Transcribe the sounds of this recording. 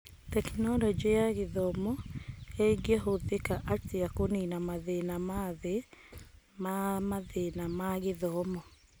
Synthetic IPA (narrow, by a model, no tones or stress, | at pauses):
tɛknɔlɔd͡ʒɔjaɣeðɔmɔeɡɛɦoðekaʔateakoninamaðenamaðe | mamaðenamaɣeðɔmɔ